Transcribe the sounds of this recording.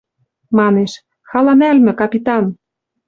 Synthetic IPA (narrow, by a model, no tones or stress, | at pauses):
mɑneʃ | xɑlɑnælmɘ̆kɑpʲit̪ɑn